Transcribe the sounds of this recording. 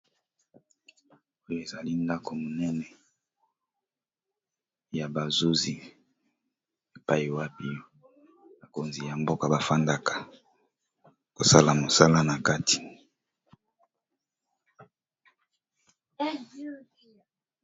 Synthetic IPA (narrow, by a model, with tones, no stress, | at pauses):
o˦jo˦e˨za˨li˦nda˦kʰo˨mo˨nɛ˦nɛ˨ | ja˨ba˨zu˦zi˨ | e˨pa˦ji˨wa˦pi˦jo˦ | ba˨ko˨nzi˨ja˨mbo˦ka˨ba˨fa˦nda˦kḁ˨ | ko˨sa˦la˨mo˨sa˦la˦na˨ka˦ti̥˨